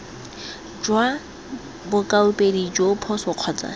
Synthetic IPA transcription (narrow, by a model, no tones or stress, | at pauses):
d͡ʒwa | bʊkʼaʊpʼedid͡ʒopʰɔsʊq͡χʰɔːt͡sa̰